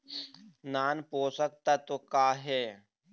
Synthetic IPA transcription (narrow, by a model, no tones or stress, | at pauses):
naːnpoːsək̚t̪at̪okaːɦɛː